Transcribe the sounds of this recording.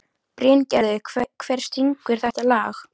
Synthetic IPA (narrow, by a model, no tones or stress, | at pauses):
pɾɛncɛɾðɪkʰvɛɾ̥st̪ʰiŋkʏɾ̥θɛht̪alaːx